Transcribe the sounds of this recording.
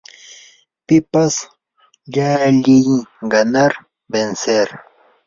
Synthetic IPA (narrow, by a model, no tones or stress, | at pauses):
pɪpas | ʎaʎɪjɡɑnaɾ | benseɾ